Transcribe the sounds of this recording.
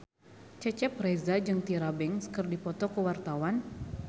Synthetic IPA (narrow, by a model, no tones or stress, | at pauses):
t͡ʃɛt͡ʃɛp̚rezad͡ʒɨŋt̪iɾabɛŋskɨrdipɔt̪ɔkəwart̪awan